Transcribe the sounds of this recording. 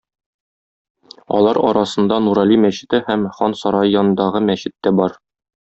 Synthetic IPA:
ɒ̰lˠɑɾɒɾɑsɤ̆nd̪ɑnuɾɑlʲimæɕɘ̆t̪ɘhæmχɒnsɒɾɑjjɒnɤ̆nd̪ɑʁɤmæɕɘ̆t̪ːæbɒɾ

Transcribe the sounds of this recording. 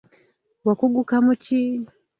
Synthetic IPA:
wakuɡukamut͡ʃi

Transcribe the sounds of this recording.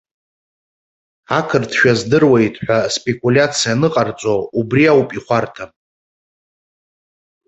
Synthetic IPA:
akʰɨrtʰʃᶣazdɨrwejtʰʼħʷᶣaspʼe̞kʼulʲat͡sʰijanɨqʼart͡sʷʼoubriawpʼiχʷartʰa

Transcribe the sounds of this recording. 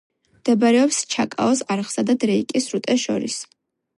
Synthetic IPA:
md̪̥ɛbɾɛɔpst͡ʃʰakʼa̰ɔsaɾχsad̪ad̪ɾɛikʼisɾut̪ʼɛʃɔ̰ɾḭs

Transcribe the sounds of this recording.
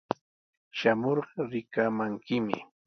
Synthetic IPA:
ʃamoɾɢɑɾɪkamaŋkɪmɪ̰

